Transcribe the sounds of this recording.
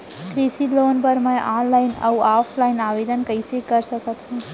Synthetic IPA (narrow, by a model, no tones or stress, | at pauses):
kɾisiloːnpɐɾmɛ̃ʔaːnlaːɪnɐ̰aːpʰlaːɪnaːʋeːd̪ənkɐisekɐɾsəkət̪ɦũː